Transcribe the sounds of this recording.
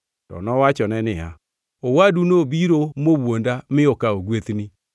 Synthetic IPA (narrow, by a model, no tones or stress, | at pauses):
tɔ̰nɔwat͡ʃɔnɛnɪa | owadunobiɾomowondamɪokaoɡwet̪ni